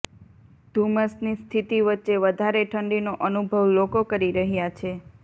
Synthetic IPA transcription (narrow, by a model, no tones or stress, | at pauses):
d̪̥ʱuməsnist̪ʰit̪iʋətːʃeʋəd̪ʱaɾeʈʰəɳɖinoʔənubʱəʋlokokəɾiɾəɦjat͡ʃʰe